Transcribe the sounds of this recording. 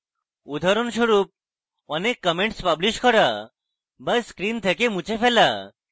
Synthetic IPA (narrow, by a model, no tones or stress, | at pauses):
ud̪ʱaɾɔnʃuɾup̚ | ɔnekːəmẽɳʈspabliɕkɔɾa | bəsskɾint̪ʰekemut͡ɕefɛla